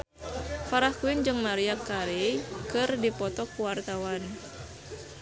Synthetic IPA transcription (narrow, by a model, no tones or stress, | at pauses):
faɾahkuwind͡ʒɨŋmaɾiakːaɾejkɨrdipɔt̪ɔkuwart̪awan